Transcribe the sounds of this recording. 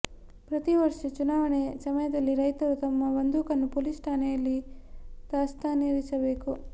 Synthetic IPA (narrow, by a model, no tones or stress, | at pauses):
pɾɐt̪iʋɐɾʂɐt͡ʃunaːʋɐɳesɐmɐjɐd̪ɐlːiɾɐjt̪ɐɾut̪ɐmːɐʋɐnd̪ukɐnːupolisʈʰaːnejɐlːid̪aːst̪ʰaniɾisɐbe̞ːku